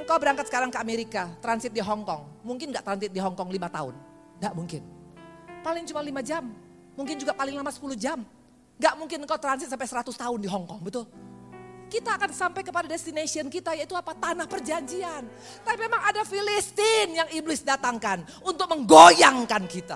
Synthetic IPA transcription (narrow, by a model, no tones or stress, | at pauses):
əŋkawbəɾaŋkat̪sə̥kaɾaŋkəameɾikat̪ɾansɪt̪̚diɦɔŋkɔŋmuŋkɪnɡaʔt̪ɾansɪt̪̚diɦɔŋkɔŋlimat̪a̰ʊ̰n | ɡaʔmuŋkɪn | palɪŋt͡ʃumalimad͡ʒamː | uŋkɪnd͡ʒuɡapalɪŋlamasə̥puluhd͡ʒam | ŋɡaʔmuŋkɪnəŋkaut̪ɾansɪt̪sampajsəɾat̪ʊst̪aʊndiɦɔŋkɔŋbət̪ʊl | kit̪aːkansampajkəpadadɛst̪inasiənkit̪ajait̪uapat̪anahpərd͡ʒaɲd͡ʒian | t̪apip̚memaŋadafilist̪ɪnjaŋiblɪsdat̪aŋkan | unt̪ʊk̚məŋɡojaŋkankit̪a̰